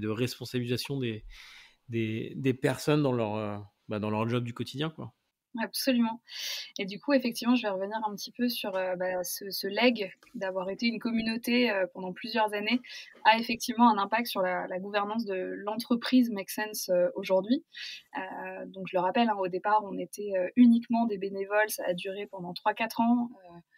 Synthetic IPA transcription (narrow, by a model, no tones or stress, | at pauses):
d̪əʁɛspɔ̃sabilizasjɔ̃d̪e | d̪ed̪epɛʁsɔnd̪ɑ̃lœʁø | bad̪ɑ̃lœʁd͡ʒɔb̚d̪ykɔt̪id̪jɛ̃kwa̰ | apsɔlymɑ̃ed̪ykuefɛk̚t̪ivmɑ̃ʒəvɛʁəvəniʁɛ̃pət̪ipøsyʁøbasəsəlɛɡ | d̪avwaʁet̪eynkɔmynot̪eøpɑ̃d̪ɑ̃plyzjœʁzane | aefɛk̚t̪ʰivmɑ̃ɛ̃nɛ̃pak̚t̪syʁlalaɡuvɛʁnɑ̃s̬d̪əlɑ̃t̪χəpχizmaksɛnsøoʒuʁd̪ɥiø̰d̪ɔ̃kʒələʁapɛlɛ̃od̪epaʁɔ̃net̪ʰɛøynikmɑ̃d̪ebenevɔlsaːd̪yʁepɑ̃d̪ɑ̃t̪χwakat̪χɑ̃ø